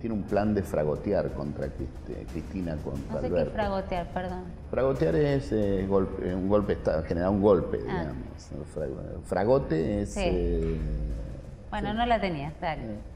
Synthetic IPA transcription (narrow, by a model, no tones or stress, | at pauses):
t̪jeneumpland̪efɾaɣo̞t̪jaɾkont̪ɾa̰kɾit̪ḛkɾist̪inako̰nt̪ɾa̰lβeɾfɾaɣot̪jaɾpeɾðon | fɾaɣo̞t̪jaɾeseɣo̞lpesuŋɡo̞lpest̪axeneɾauŋɡo̞lpḛðḭɣa̰mosfɾa̰fɾaɣo̞t̪ees | bwenonolat̪eniaskaɾ